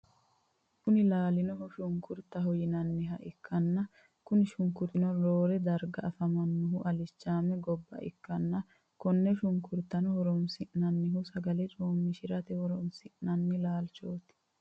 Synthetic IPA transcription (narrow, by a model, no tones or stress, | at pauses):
kʊnɪlaːlɪnɔhʊʃʊŋkʊɾt̪ːɐɦɔjɪnɐnːɪɦɐʔɪkːɐnːɐ | kʊnɪʃʊŋkʊt̪ɪnɔɾoːɾɛd̪ɐɾɡɐɐfɐmɐnːʊɦʊʔɐlɪt͡ʃːaːmɛɡɔbːɐ̰ʔɪ̰kːɐnːɐ | kɔnːɛʃʊŋkʊɾt̪ɐnɔhɔɾɔmsɪʔnɐnːɪɦʊsɐɡɐlɛt͡ʃʼoːmːɪʃɪɾɐt̪ɛhɔɾɔmsɪʔnɐnːɪlaːlt͡ʃoːt̪ɪ̥